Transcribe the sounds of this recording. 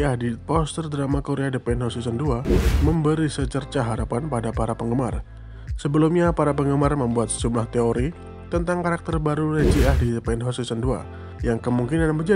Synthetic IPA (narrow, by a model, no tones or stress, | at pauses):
ahdipɔst̪ərd̪əɾamakoɾeadəpɛnɦɔst̪isənduaməmbəɾisət͡ʃərt͡ʃaɦaɾapanpadapaɾapəŋɡəma̰r | səbəlumɲapaɾapəŋɡəmarməmbuat̪̚səd͡ʒumlaht̪eoɾi | t̪ənt̪aŋkaɾak̚t̪ərbaɾunəd͡ʒiahdidəpɛnɦɔsisəndua̰ | jaŋkəmuŋkinanbərd͡ʒa